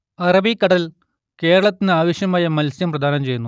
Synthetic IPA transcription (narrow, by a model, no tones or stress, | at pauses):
ɐrɐbikːɐɽɐl | ke̞ːɾɐɭɐt̪ːinɨaːʋɐɕjɐmaːjɐmɐlsjɐmprɐd̪ʱaːnɐmt͡ɕe̞junːu